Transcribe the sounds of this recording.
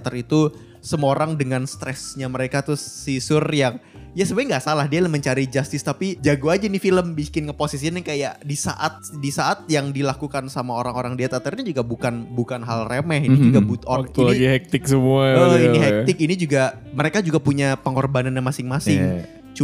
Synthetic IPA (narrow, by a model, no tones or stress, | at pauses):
t̪ərit̪u | səmoɾaŋdəŋanst̪ɾɛsɲaməɾekat̪ʊːisʊrjaŋ | jasəbajŋɡaʔsalahdialaməɲt͡ʃaɾid͡ʒast̪ɪst̪apid͡ʒaɡuad͡ʒainifiləmbikɪnkəposis̬ianikajaʔdisa̰ʔat̪̚disaʔat̪̚jaŋdilakukansamaoɾaŋoɾaŋdiat̪at̪ərɲad͡ʒuɡabukanbukanɦalremɛhinid͡ʒuɡabut̪ɔilaɡihɛk̚t̪ɪksəmuaiiɦɛk̚tɪk̚inid͡ʒuɡa | məɾekad͡ʒuɡapuɲapəŋɔrbananjamasɪŋmasɪŋ | t͡ʃu